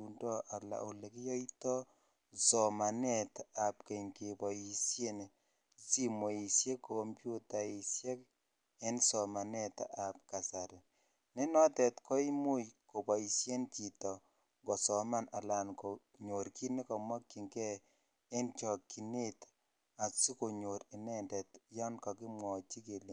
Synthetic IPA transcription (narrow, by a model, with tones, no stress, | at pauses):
u˨ndɔ˦ʔa˨la̰˨o˨le˨ki˦jɔ˦i˦tɔ˦ | sɔ˨ma˨nɛ˦˨ta˨pke˨ɲke˨bɔ˨i˨sje˦ne˨ | si˦mo˨i˨sje˦ko˦mpju˦ta˨i˨sjɛ˦k̚ | ɛ˦nsɔ˨ma˨nɛ˦ta̰ʔa˨p̚ka˨sa˨ɾe˨ | ne˦nɔ˦tɛ˨tkɔ˦i˦mu˦jko˨pɔ˨i˨sje˦nt͡ʃi˨tɔ˨ | ŋɡɔ˨sɔ˨ma˦na˨la˨nko˨ | ɲo˨ɾki˦ne˦kɔ˨mɔ˦kːi˨ŋkɛ˦ | e˦nt͡ʃɔ˨kːi˨ne˦t | a˨si˦ko˨ɲo˨ɾi˨nɛ˦ndɛ˨tjɔ˦nkɔ˨kɪ˦mwɔ˨t͡ʃi˦ke˨li˨